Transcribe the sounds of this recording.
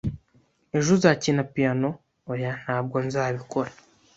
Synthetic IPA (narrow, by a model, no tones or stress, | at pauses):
eʒuzaːcinapijano̞ | ojan̥haːbɡo̞nzaːβiko̞ɾa